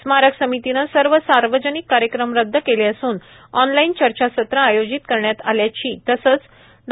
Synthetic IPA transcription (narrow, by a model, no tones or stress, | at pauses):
smaɾəksəmit̪inəsəɾʋəsaɾʋəd͡ʑənikːaɾjəkɾəmɾəd̪ʱːəkeleəsuːn | ɔnlaint͡ɕəɾt͡ɕasət̪ɾəajod͡ʑit̪kəɾɳjat̪aljat͡ɕiːt̪əsət͡s | d̪